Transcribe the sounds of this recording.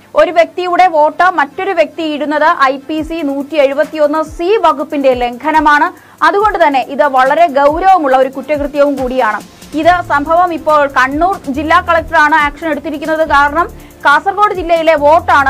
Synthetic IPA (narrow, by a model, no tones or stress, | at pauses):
o̞ɾuʋjek̚t̪ijuɽe̞ʋo̞ːʈːɨmɐtːo̞ɾuʋjek̚t̪iiɽunːɐðɨʔɐjpisinuːtːieɻubɐt̪ːijo̞nːɨsiʋɐɡupːinde̞leŋɡʰʱɐnɐmaːɳɨ | ɐðuɣo̞ɳɖɨt̪ɐnːe̞ʔiðɨʋɐɭɐɾe̞ɡɐwɾɐʋɐmuɭːɐo̞ɾukutːɐkrɨt̪jɐʋumkuːɽijaːɳɨ | iðɨsɐmbʱɐʋɐmipːo̞ːɭkɐɳːuːrd͡ʑilːaːkɐɭɐk̚ʈɐraːɳɨaːkʂɐneɽut̪ːiɾikʲːunːɐðɨkaːɾɐɳɐm | kaːsɐrɣo̞ːɽɨd͡ʑilːɐjile̞ʋo̞ːʈːaːɳɨ